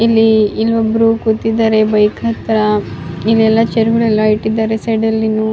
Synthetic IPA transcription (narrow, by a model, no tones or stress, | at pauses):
ilːiːlʋɐbːɐɾukut̪ːid̪aɾe̞bɐjkʰɐt̪ɾɐilːiɛlːɐt͡ʃeɾuɡɐɭɛlːɐiʈːid̪aːɾeseɖɐlːinu